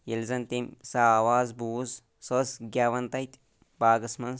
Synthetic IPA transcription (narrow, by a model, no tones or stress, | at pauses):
jelzɐnt̪emsawaːzbuːz | sosɡʲaːʋɐnt̪ɐjt̪ʼ | baːɡɐsmɐn